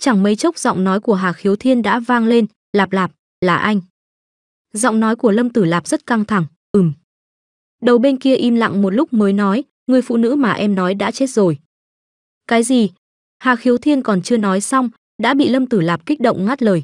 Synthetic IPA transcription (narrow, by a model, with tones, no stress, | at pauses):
t͡ɕa˧˩ŋmə˨˦jt͡ɕə˦˥wk͡p̚zɔ̰˧˨wŋ͡mnɔ˨˦jku˧˩əɦaː˨˩xi˨˦əwt̪ʰi˧ənɗa̰ː˧˥vaː˧ŋle˧n | laː˨˩p̚laː˨˩p̚ | laː˨˩ʔa˧jŋ̟ | zɔ̰˧˨wŋ͡mnɔ˨˦jku˧˩ələ˧mt̪ɨ˧˩laː˨˩p̚zə˦˥t̚ka˧ŋt̪ʰa˧˩ŋ | ʔɨ˨˩m | ɗə˨˩wɓe˧nki˧əʔi˧mla̰˧˨ŋmo˨˩t̚lʊ˦˥k͡p̚məː˨˦jnɔ˨˦j | ŋɨ˨˩əjfṵ˧˨nɨ̰˧˥maː˨˩ʔɛ˧mnɔ˨˦jɗa̰ː˧˥t͡ɕe˦˥t̚zo˨˩j | kaː˨˦jzi˨˩ | haː˨˩xi˨˦əwt̪ʰi˧ənkɔ˨˩nt͡ɕɨ˧ənɔ˨˦jsa˧wŋ͡m | ɗa̰ː˧˥ɓḭ˧˨lə˧mt̪ɨ˧˩laː˨˩p̚ki˦˥k̚ɗə̰˧˨wŋ͡mŋaː˦˥t̚ləː˨˩j